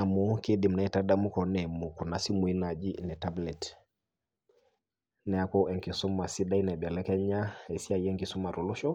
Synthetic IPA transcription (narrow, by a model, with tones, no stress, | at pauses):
a˨mu˦ki˦di˨mna˦ɛ˦ta˦da˦mu˦kɔ˨nɛ˨mu˨ku˨na˨si˦mu˨i˦na˨d͡ʒi˦nɛ˨ta˦blɛ˨t | nɛ˨a˦kɔ˦ʔɛ˨ŋki˨su˦ma˨si˦da˦i˦nɛ˨bja˨lɛ˦kɛ˦ɲa˦ɛ˨si˦a˨jɛ˦ŋki˨su˦ma˨ɾu˨lu˦ʃɔ˦